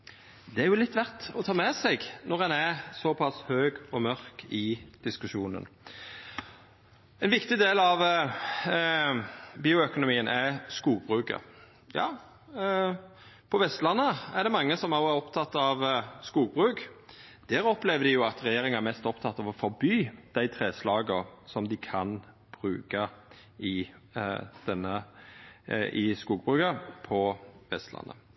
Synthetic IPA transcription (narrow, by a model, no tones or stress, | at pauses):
d̪ɛæɾjʊlɪt̪ːʋæʁt̪ɔt̪ʰɑːmɛsɛɡnɔʁɛnæsɔpʰɑshøːɡɔmœʁkɪd̪̥ɪskʉʃuːnə̰n | ɛnʋɪkt̪ɪd̪eːlɑʋ | biːʊœkʊnʊmiːənʔæskuːbʁʉːkə̰ɾ | jɑ̰ː | pʰɔʋɛst̪lɑnːəæd̪ɛmɑŋːəsɔmɑʊæɾɔpt̪ʰɑt̪ːɑʋskuːɡ̚bʁʉːk | d̪̥æːɾɔplɛʋəd̪ɪjʊɑt̪ʁɛjeːɾɪŋəæɾmɛst̪ɔpt̪ʰɑt̪ːɑʋɔfɔɾbyːd̪̥æɪt̪ʰɾeːslɑːɡəsɔmd̪ɪkʰɑn | b̥ʁʉːkɑ | ɪ | d̪̥ɛnːə | ʔɪskuːɡ̚bʁʉːkəpʰɔʋɛst̪lɑ̰nːə̰